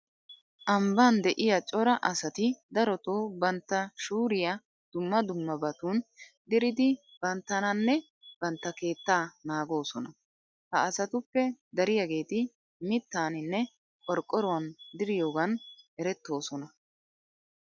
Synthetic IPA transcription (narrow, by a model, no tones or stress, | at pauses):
ʔɐmbaːnd̪ɛʔɪjɐt͡ʃʼɔɾɐʔɐsɐt̪ɪd̪ɐɾɔt̪oːbɐnt̪ːɐʃuːɾɪjɐ | d̪̥ʊmːɐd̪ʊmːɐbɐt̪uːn | d̪ɪɾɪd̪ɪ | b̥ɐnt̪ːɐnɐnːɛ | b̥ɐnt̪ːɐke̞ːt̪ːaːnaːɡo̞ːsɔnɐ | hɐːsɐt̪ʊpːɛd̪ɐɾɪjɐɡe̞ːt̪ɪ | mɪt̪ːaːnɪnːɛ | kʼɔɾkʼːɔɾɔwɐnd̪ɪɾɪjo̞ːɡɐnɛɾɛt̪ːo̞ːsɔnɐ